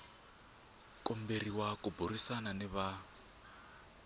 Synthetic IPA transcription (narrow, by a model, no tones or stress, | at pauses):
kʼɔmberiwakuburisananiβa